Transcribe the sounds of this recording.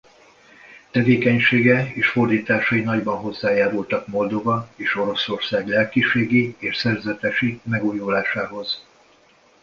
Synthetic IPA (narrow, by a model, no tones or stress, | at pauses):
t̪ɛveːkɛɲʃeːɡɛeːʃfo̞rd̪iːt̪aːʃɒinɒɟbɒnɦo̞zːaːjaːɾult̪ɒkmo̞ld̪o̞vɒeːʃo̞ɾo̞so̞rsaːɡlɛlkiʃeːɡieːʃsɛrzɛt̪ɛʃimɛɡujulaːʃaːɦo̞z̥